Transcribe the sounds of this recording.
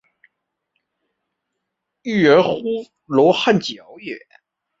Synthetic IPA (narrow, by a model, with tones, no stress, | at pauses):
y˥˩ə˧˥xu˥ | lɔ˧˥xa˥˩nt͡ɕjɑ˧˥ʊjɛ˨˦